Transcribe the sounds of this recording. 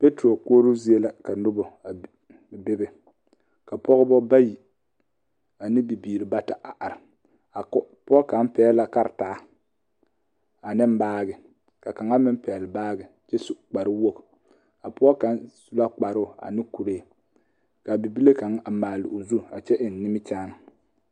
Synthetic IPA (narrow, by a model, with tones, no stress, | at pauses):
pe˦tɾo˨koː˦ɾu˦zi˦e˦la˨ka˨nʊ˦bɔ˨ | be˦be˨ | ka˨pɔ˦ɣbɔ˦ba˦ji˨ | a˨nɪ˦bi˨biː˨ɾɪ˨ba˦ta˨ʔa˨ʔa˨ɾɪ˨ | a˨˦ | pʊ˦ɔ˦ka˨˦m˦pɛː˦la˨ka˦ɾtaː˨˦ | a˨nɪ˦m˦baː˦ɡɪ˨ | ka˨ka˨ŋa˦mɪ˦m˦pɛː˨lɪ˨baː˦ɡɪ˨ | t͡ʃɛ˦su˦k͡pa˨ɾɨ˦wo˦k | a˨pʊ˦ɔ˦ka˨˦nsu˦la˦k͡pa˨ɾʊ˦˨a̰˨nɪ˦ku˨ɾe˦˨ | ka˨bi˨bi˦le˦ka˨˦ŋa˨maː˨lɪ̰˨ʔo˨zu˦˨a˨t͡ʃɛ˦ʔɪ˨n˨˦nɪ˦mɪ˦t͡ʃaː˦n˨